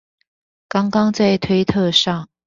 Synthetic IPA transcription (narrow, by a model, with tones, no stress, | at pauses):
kɑ˥ŋkɑ˥ŋt͡sa˥˩ɪt̪ʰwe˥ɪt̪ʰɤ˥˧ʂɑ˥˩ŋ